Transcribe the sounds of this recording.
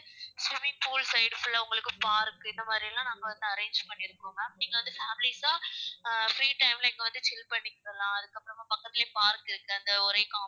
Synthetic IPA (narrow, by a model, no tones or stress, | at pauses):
sʊʋipuːlsɐɪɖfʊɭɐʊŋɡɐɭɯkːɯpaːɾkːɯɪnd̪ɐmaːd̪ɾiɪɐlːãːnaːŋɡɐʋɐnd̪ɯɐɾeːnd͡ʒpɐɳːɪɾɯkːõːŋɡɐniːŋɡɐʋɐnd̪ɯfaːmɪlisãː | fɾiːʈɐɪmlɐɪŋɡɐʋɐnd̪ɯt͡ʃɪlpɐɳːɪkːɪɾɐlãːɐðɯkːɐpːɯɾɐmaːpɐkːɐt̪ːɪleːpaːɾkɪɾɯkːɯɐnd̪ɐɔɾɐɪkaː